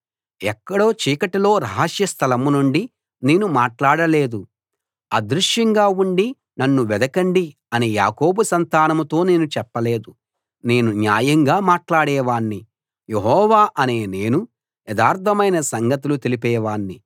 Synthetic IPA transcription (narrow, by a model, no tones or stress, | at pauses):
ɛkːɐɽo̞ːt͡ʃiːkɐʈilo̞ːɾaɦːɐʂjɐst̪ʰɐlɐmunuɳɖi | ne̞ːnumaːʈlaːɽɐle̞ːd̪u | ɐ̰d̪ɾuʂjɐŋɡaːuɳɖi | nɐnːuʋɛd̪ɐkɐɳɖi | ɐnija̰ːkoːbusɐnt̪aːnɐmut̪o̞ːneːnut͡ʃɛpːɐle̞ːd̪u | ne̞ːnunja̰ːjɐŋɡaːmaːʈlaːɽɛːʋaːɳːi | jeɦɔːʋaːʔɐne̞ːne̞ːnu | jɛd̪aːɾt̪ʰɐmɐjnɐsɐŋɡɐt̪ulut̪elipɛːʋaːɳːi